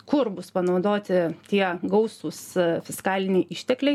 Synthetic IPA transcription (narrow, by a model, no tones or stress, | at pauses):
kʊrbʊspɐnɐʊd̪oːt̪ʲɪt̪ʲiɛɡɐʊsuːsfʲɪskɑːlʲɪnʲɛɪʔɪʃʲt̪ʲɛklʲɛɪ